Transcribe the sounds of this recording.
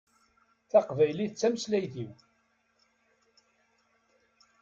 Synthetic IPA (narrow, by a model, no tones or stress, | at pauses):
θɑqvæjliθət͡sːæməslæjθiw